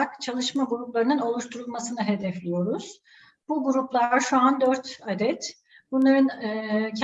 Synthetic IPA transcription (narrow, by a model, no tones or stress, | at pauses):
akt͡ʃʰalˠɯʃmaɡuɾuplˠaɾɯnɯno̞lˠuʃt̪ʰuɾulˠmasɯnɯɦed̪ɛflʲijo̞ɾuz̥ | b̥uɡuɾuplˠaʃuand̪øɾt̪ad̪ɛt̪ | bunlˠaɾɯncʰ